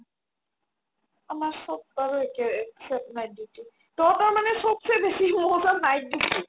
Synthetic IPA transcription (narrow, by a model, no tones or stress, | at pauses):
amaɹsɔb̚taɹuɛkɛɛksɛpnajditi | dɔtaɹmanɛsɔbsɛbesimɔɔzanajdii